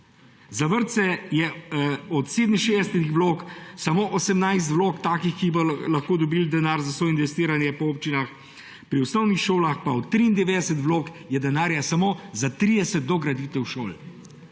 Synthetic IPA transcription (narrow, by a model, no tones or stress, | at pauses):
zaʋəɾt̪sɛjɛɔt̪seːd̪miʃeːd̪ɛst̪ixʋloːksamoːʔɔsɛmnajs̬t̪ʋloːkt̪aːkixkibɔlaxkoːd̪ɔbiːld̪ɛnaːɾzasɔinʋɛst̪iːɾanjɛpɔoːpt͡ʃinax | pɾiusnɔwnixʃoːlaxpaɔt̪ːɾiːnd̪ɛʋeːd̪ɛsɛt̪ʋloːkjɛd̪ɛnaːɾjasamoːzat̪ɾid̪ɛsɛt̪̚d̪ɔɡɾad̪it̪ɛwʃo̰ːl